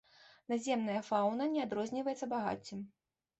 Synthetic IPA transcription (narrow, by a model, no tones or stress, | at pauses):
nazʲɛmnɐjɐfawnɐnʲɛad̪ɾɔzʲnʲivɐjɛt̪sːɐbaɣa̰t͡sʲːim